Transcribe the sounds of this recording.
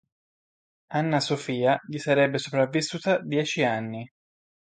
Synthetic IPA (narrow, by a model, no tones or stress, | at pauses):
anːasofiːaʎisaɾɛbːesopɾavːisːuːt̪ad̪jɛːt͡ʃianːi